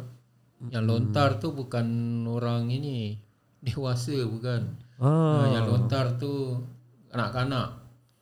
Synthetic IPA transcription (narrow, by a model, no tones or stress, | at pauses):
jaŋlont̪art̪ubukanoɾaŋini | dewasəbukanajaŋlont̪art̪u | kanaʔkanaʔ